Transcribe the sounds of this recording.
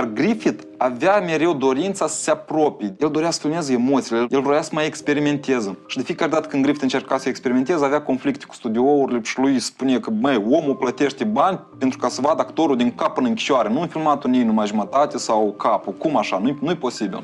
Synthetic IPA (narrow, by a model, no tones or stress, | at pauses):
jarɡɾifit̪ | avame̞ɾe̞wd̪o̞ɾint̪sasə̥seapɾo̞pejeld̪o̞ɾeasə̥filmezəemo̞t̪silejelɾojasəmajekspe̞ɾime̞nt̪e̞zəʃid̪efijekaɾʲed̪at̪əkɨnd̪ɡɾifit̪ɨnt͡ʃe̞rkasəekspe̞ɾiment̪e̞zəaveako̞nflikt̪e̥ku̥st̪ud̪ʲiouɾileʃilujspunekəbəjo̞muplət̪e̞ʃt̪ebanʲpe̞nt̪ɾukasəvad̪əakt̪o̞ɾuld̪iŋkapɨnɨŋkʲi̥ʃoaɾenunfilmat̪onejnumaʒumət̪at̪ʲesawkʰapukumaʃanunujeposibḭl